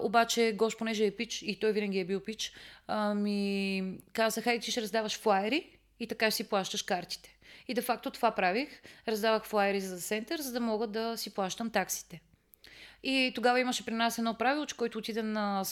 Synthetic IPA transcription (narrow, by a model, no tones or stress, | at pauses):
obat͡ʃɛɡɔʃponɛʒɛːpit͡ʃit̪ɔjvinəɡʲiɛbiwˠpit͡ʃ | mi | kasɐxat̪iʃɾɐzd̪avɐʃflˠaɛɾiː | t̪ɐkasiplˠaʃt̪əʃkaɾt̪i̥t̪ɛ̥id̪ɛfak̚t̪ot̪ovapɾavixɾɐzd̪avəxflˠaɛɾizɐsɛnt̪əɾzɐd̪ɐmɔɡəd̪ɐsiplˠaʃt̪əmt̪aksi̥t̪ɛ | it̪oɡavɐiməʃɛpɾinasɛd̪nɔpɾavilˠot͡ʃɛ̥kɔjt̪oʊːt̪id̪ɛnɐ